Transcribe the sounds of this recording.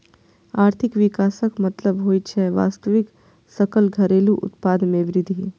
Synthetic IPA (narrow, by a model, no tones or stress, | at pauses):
aːɾt̪ʰɪkʋɪkaːsəkmɐt̪ləbɦoːit͡ʃʰɛʋa̰ːst̪əʋɪk | sɐkəlɡʱɐɾeːluʔʊ̰t̪paːd̪mẽʋɾɪd̪ʱi